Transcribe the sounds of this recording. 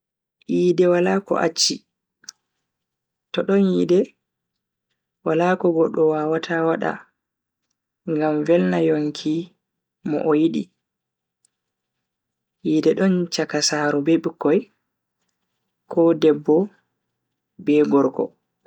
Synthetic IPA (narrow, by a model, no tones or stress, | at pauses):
ʔiːdɛwalaːkɔ̰ʔa̰t͡ʃːi | tɔɗɔnjidɛ | walaːkɔɡɔɗɔwaːwatʰawaɗa̰ | ŋɡamvɛlnajoŋkʰi | mɔ̰ʔɔjiɗi | jiːdɛɗɔnt͡ʃakasaːɾɔbeɓikːɔj | kʰɔdɛbːɔ | bɛɡɔɾkɔ̰